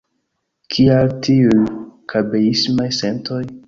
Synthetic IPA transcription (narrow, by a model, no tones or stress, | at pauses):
kʰialtʰiujkʰabeismajse̞ntoj